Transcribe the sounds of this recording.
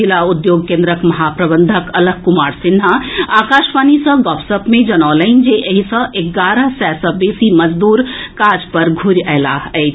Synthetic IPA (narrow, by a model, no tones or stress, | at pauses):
ilaʊd̪joːɡkẽːnd̪ɾəkmɐɦaːpɾɐbə̃nd̪ʱəkɐləɡ̚kʊmaːɾsɪnɦaaːkaːʃʋaːnisə̃ɡɔːpsəpmẽd͡ʒɐnɔːləɪnd͡ʒeʔəɦisə̃ʔeɡaːɾəsɛːsəbesimɐd͡ʒd̪uːɾkaːd͡ʒpɐɾɡʱʊɾɛːlaɛː